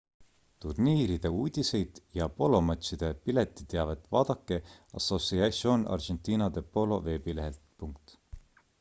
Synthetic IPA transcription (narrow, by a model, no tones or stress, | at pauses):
t̪urniːɾid̪̥e̞uːd̪̥ʲise̞jd̪̥jɑpo̞lo̞mɑt̪sid̪̥e̞pilet̪ːˑit̪eɑvet̪ːˑvɑːd̪̥ɑkːe̞ɑ̰so̞siɑso̞nɑ̰rʒe̞nt̪ˑiːnɑd̪e̞po̞lo̞ve̞ːbile̞ɦelt̪puŋk̚t̪